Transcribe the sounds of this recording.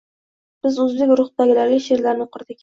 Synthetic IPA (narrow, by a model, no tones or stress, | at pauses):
b̥ɪzʊzbɪkʲɾʊχd̪aɡʲɪlaɾɡʲɪʃe̞ɾlaɾnɪqʰʊɾd̪ɪkʲ